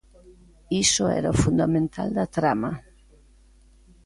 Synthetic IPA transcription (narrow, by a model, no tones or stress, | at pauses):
isoɛ̰ɾafund̪amẽnt̪ʰa̰ld̪at̪ɾama